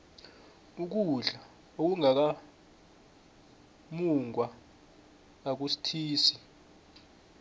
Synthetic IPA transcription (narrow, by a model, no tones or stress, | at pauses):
uk̬uɮa | ok̬uŋak̬a | muŋwa | ak̬usi̥tʰiːsi